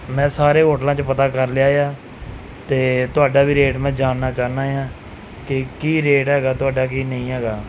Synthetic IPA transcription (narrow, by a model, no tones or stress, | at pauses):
mɛ̃ːsaːɾeːɦoːʈlãːt͡ʃpət̪aːkəɾljaːejaː | t̪eːt̪ʊaːɖaːbiːɾeːʈmɛ̃ːd͡ʒaːnːaːt͡ʃaːnaːjãː | kɪkiːɾeːʈɦɛːɡaːt̪ʊaːɖaːkiːnəĩːɦɛːɡaː